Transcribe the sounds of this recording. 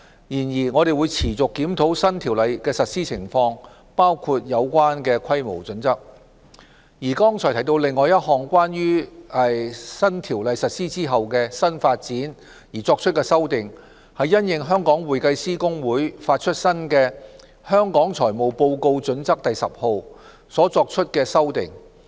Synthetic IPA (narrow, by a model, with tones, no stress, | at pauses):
jiː˨˩njiː˨˩ŋɔ˨˧ɾe˨jwu˨˧jt͡sʰiː˨˩t͡sʊ˨kːiː˨˥mt̪ʰo˨˥wsɐ˥nt̪ʰi˨˩wlɐ˨jkɛː˧sɐ˨t̚siː˥t͡sʰɪ˨˩ŋfɔː˧ŋ | paː˥wkʰu˧t̚jɐ˨˧wkʷaː˥nkɛː˧kʰɐ˥jmo̰˨˩wt͡sɵ˨˥nt͡sɐ˥k̚ | jiː˨˩kɔː˥ŋt͡ʃʰɔː˨˩t̪ʰjt̪o˧wlɪ˨ŋːɔː˨jɐ˥t̚hɔː˨˩ŋkwaː˥nɥyː˥ | sɐ˥nt̪ʰiː˨˩wlɐ˨˧jsɐ˨t̚siː˥t͡siː˥ɦɐ˨wkɛː˧sɐ˥nfaː˧t̚t͡siː˨˥n | jiː˨˩t͡sɔː˧k̚t͡ʃʰɵ˥t̚kɛː˧sɐ˥wt̪ɪ˨˩ŋ | hɐ˨jːɐ˥njɪ˨ŋɦœː˥ŋkɔː˨˥ŋwuː˨jkɐ˧jsiː˥kʊ˥ŋwuː˨˥jfaː˧t̚t͡ʃʰɵ˥t̚sɐ˥nkɛː˧ | hœː˥ŋkɔː˨˥ŋt͡sʰɔː˨˩jmo˨˩wpo˧wko˧wt͡sɵ˨˥nt͡sɐ˥k̚t̪ɐ˨jsɐ˨p̚ho˨˧w | sɔː˨˥t͡sɔː˧k̚t͡ʃʰɵ˥t̚kɛː˧sɐ˥wt̪ɪ̰˨˩ŋ